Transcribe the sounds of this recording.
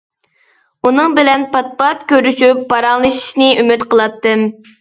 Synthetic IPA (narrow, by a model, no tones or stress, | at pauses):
unɨŋbɪlɛnpʰɑt̪̚pɑt̪̚kʲøɾyʃypːɑɾɑŋlˠɨʃi̥ʃnɨymyt̪qəlˠɑt̪ːɨm